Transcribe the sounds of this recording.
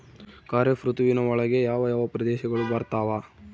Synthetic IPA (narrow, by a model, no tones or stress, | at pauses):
kaːɾjɐfɾut̪ʋinɐɔɭɐɡejaːʋɐjaːʋɐpɾɐd̪ɛːʃɐɡɐɭubɐɾt̪aːʋaː